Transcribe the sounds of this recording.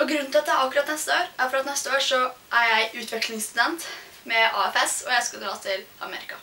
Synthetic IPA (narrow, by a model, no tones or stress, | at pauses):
ɔɡɾʉnːt̪ɪɛt̪ːæɑkːʉɾɑt̪nɛst̪əoːɾɑkːɾɑt̪nɛst̪əoːʂɔʔæɾjæɪʉːt̪ʰʋɛkʂlɪŋst̪ʉd̪ɛnt̪ | mɛɑːɛfɛsɔjæɪskɑd̪ɾɑːt̪ʰɪlɑ̰mḛːɾɪkɑ